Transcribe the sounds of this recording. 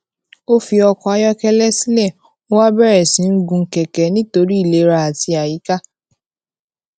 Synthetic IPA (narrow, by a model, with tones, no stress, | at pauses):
o˦fi˧ɔ˧kɔ̃˧a˧jɔ˦kɛ˦lɛ˦si˦lɛ˦˨ | o˦wa˦bɛ˦ɾɛ˨sĩ˨˦n̩˦ɡũ˧˦kɛ˨kɛ˨˦nĩ˦to˧ɾi˦i˦˨le˨˦ɾa˧a˨ti˧a˨ji˨˦ka˦